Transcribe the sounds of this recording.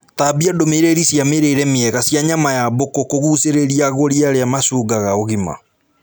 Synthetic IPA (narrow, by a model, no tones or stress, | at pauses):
tabiadomeɾeɾisjameɾeɾɛmeɛɣasjaɲamajabokokoɣuseɾeɾiaɣoɾiaɾeamasuːɡaɣaoɣima̰